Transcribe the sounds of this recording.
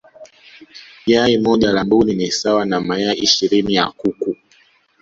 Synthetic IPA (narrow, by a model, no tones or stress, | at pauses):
iaimɔʄalambuninisawanamaɛaʔiʃiɾinija̰kuku